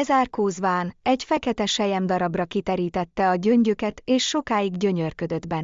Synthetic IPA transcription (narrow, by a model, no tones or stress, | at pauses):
ɛzaːrkoːzvaːnɛɟfɛkɛt̪ɛʃɛjɛmd̪ɒɾɒbrɒkit̪ɛɾiːt̪ɛt̪ːɛɒɟø̞ɲɟøkɛt̪eːʃːo̞kaːjiɡɟø̞ɲørkø̞d̪ø̞d̪bɛnː